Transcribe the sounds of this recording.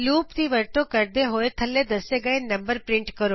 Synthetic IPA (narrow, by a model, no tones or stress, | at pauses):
luːpt̪iʋəɾt̪okəɾd̪eɦoːet̪ʰəlːed̪ɐseɡəenɐmbəɾpɾɪɳʈkəɾoː